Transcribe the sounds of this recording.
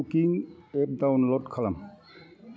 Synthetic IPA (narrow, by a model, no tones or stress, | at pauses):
ukiŋep̚dawnlɔtkʰalam